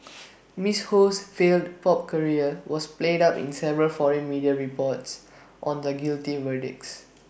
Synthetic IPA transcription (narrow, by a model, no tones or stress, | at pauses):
mishosfeldpɔp̚kəɹiəwɔspledapḭ̃nsɛvəɹəlfɔɹə̃nmidiəɹipɔts | ʔɔ̃ndəɡiltivədḭks